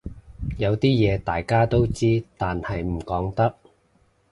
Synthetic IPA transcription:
jɐ˨˧wt̪iː˥jɛː˨˧t̪aː˨jkaː˥t̪o˥wt͡siː˥t̪aː˨nhɐ˨jm̩˨˩kɔː˨˥ŋt̪ɐ˥k̚

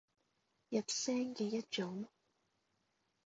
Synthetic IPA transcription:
jɐ˨t̚sɛː˥ŋkɛː˧jɐ˥t̚t͡ʃʊ˨˥ŋ

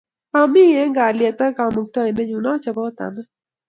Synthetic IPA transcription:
a˨mi˦e˦ŋɡa˨lie˨t̪a˦ka˨mu˨k̚t̪a˦˨i˨ne˦ɲu˨na˦t͡ʃa˨bo˦t̪a̰˨na˦

